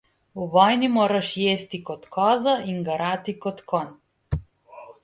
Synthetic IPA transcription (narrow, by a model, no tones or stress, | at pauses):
uvɔjnimɔɾaʃjest̪ikɔt̪kɔzaiŋɡaɾat̪ikɔt̪kɔn